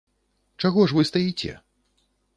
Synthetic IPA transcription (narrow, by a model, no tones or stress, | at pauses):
t͡ʂaɣɔʐvɨst̪ajit͡sʲɛ̰